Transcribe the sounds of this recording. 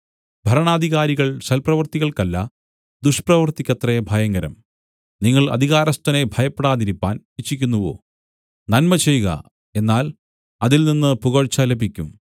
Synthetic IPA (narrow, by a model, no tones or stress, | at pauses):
bʱɐɾɐɳaːd̪ʱiɣaːɾiɣɐɭɕɐlprɐʋɐrt̪iɣɐɭkɐlːɐ | d̪uʂprɐʋɐrt̪ikʲːɐt̪rɐbʱɐjɐŋɡɐɾɐm | niŋːɐɭɐ̰d̪ʱiɣaːɾɐst̪ɐne̞bʱɐjɐpːeɽaːðiɾipːa̰ːnit͡ɕʰːikʲːunːuʋo̰ː | nɐnmɐt͡ɕe̞juɣɐ̰ | e̞nːaːl | ɐðilninːɨpuɣɐɻt͡ɕːaːlebʱikʲːum